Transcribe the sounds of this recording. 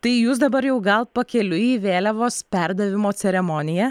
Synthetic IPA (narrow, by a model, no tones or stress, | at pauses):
t̪ɐɪjuːsd̪ɐbɐɾjɛʊɡɐlˠpɐkʲɛlʲʊiːʋʲeːlʲɛʋoːspʲɛɾd̪ɐʋʲɪmoːt͡s̪ʲɛɾʲɛmoːnʲɪjɛ